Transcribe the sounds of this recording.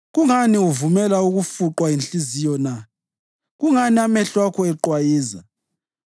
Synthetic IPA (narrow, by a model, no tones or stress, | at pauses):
ɣuŋaniuvumɛlauɣufuǃwainɬʼizijɔna | ɣuŋaniamɛɬwakʰɔɛǃwajiːza̰